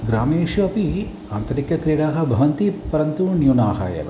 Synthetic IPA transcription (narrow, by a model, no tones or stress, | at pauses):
ɡɾaːmeːʂʋɐpi | aːnt̪ɐɾikɐkɾiːɽaːɦɐ̆bʱɐʋɐnt̪ipɐɾɐnt̪unjunaːɦa̰ːjɐ̰ʋ